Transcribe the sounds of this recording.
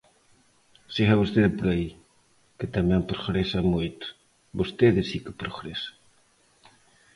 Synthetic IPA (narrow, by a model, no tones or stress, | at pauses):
seɣaβost̪eðɪpoɾai | ket̪amɛ̃mpɾoɣɾesamojt̪ʊ̥ | bost̪eðɪsikɪpɾoɣɾesḁ